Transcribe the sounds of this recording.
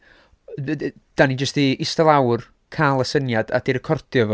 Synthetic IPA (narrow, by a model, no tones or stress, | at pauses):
d̥anid͡ʒəstiɪstəlˠawr | kʰalˠəsənjada̰d̥iɾəkʰɔrdjɔvɔ